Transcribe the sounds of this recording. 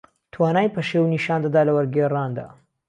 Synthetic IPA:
t̪ʰwaːnaːjpʰɐʃewniʃaːnd̪ɐd̪aːlɐwɐɾɡeːraːnd̪a̰ː

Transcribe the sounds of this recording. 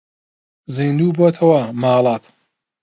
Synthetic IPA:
ziːnd̪uːboːt̪ʰɐwɐmaːlˠɑːt̪

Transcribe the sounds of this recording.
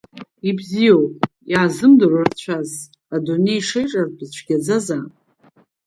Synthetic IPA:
ibzijowpʼ | jiʕazɨmdɨrart͡ɕʷʰaz | adonejʂejʈ͡ʂʼarbɨzt͡ɕʷʰɡʲad͡zaza

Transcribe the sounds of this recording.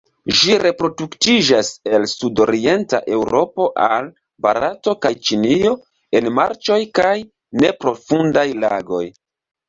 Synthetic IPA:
ʒiɾe̞pɾo̞duktid͡ʒase̞lsudo̰ɾie̞nta̰ʔe̞wɾʔo̞po̞ʔal | baɾato̞kajt͡ʃinio̞ | e̞nmaɾt͡ʃo̞jkaj | ne̞pɾo̞fundajla̰ɡo̞j

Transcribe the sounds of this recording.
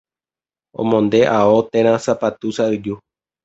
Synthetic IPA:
õ̰mõnd̪e̞ʔaot̪ẽɾ̃ãsapat̪usaɨd͡ʒu

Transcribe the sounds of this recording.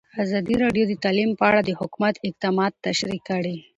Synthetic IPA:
azɑd̪iɾɑɖjod̪ət̪ɑlimpəaɽad̪əhʊkumat̪ɪq̚t̪ɑmɑd̪̚t̪ːaʃɾikːəɽi

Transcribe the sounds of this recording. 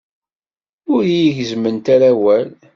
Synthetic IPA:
ʊɾjiʝzmənt̪aɾawæl

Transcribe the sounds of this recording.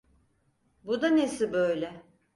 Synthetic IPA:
bud̪anesibøjlʲɛ

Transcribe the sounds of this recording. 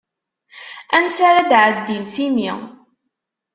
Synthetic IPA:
ænsaɾad̪ʕəd̪ːimsimi

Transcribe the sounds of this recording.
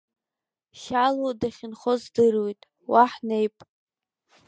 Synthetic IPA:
ʃalodaχʲɪnχozdɨrwejtʼ | waħnejpʼ

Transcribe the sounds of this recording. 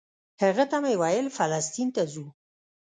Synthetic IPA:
haɣət̪amajwajəlfalɑst̪int̪azu

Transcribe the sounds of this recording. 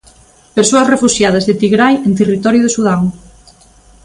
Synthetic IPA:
peɾsoɐsrefuʃjað̞ɐzðet̪iɣɾajent̪erit̪ɔɾjuðesuð̞aŋ

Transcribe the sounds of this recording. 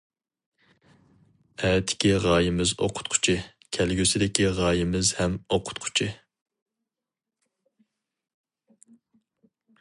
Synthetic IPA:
ɛːt̪ʰɪ̥kʲiʁɑːjɪmɪzo̰qʰʊ̥t̪̚qʰʊ̥t͡ʃʰɪ | kʲʰælɡʲysɪd̪ɪkʲiʁɑːjɪmɪzhɛmoqʰʊ̥t̪qʰʊ̥t͡ʃʰɪ

